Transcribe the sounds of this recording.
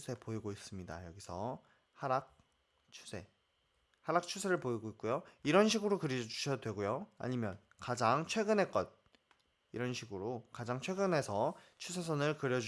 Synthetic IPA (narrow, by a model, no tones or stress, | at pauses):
sʰe̞poiɡois͈ɯmɲida̰jʌɡisʰʌ | haɾak̚ | t͡ɕʰu̥sʰe̞ | haɾak̚t͡ɕʰusʰe̞ɾɯɭpoiɡoik̚k͈ujoiɾʌnɕʰiɡɯɾokɯɾid͡ʑuɕʰʌdwe̞ɡojoa̰ɲimjʌn | kad͡ʑaŋt͡ɕʰwe̞ɡɯnɦe̞k͈ʌd̚ | iɾʌnɕʰiɡɯɾokad͡ʑaŋt͡ɕʰwe̞ɡɯnɦe̞sʰʌt͡ɕʰusʰe̞sʰʌnɯɭkɯɾjʌd͡ʑ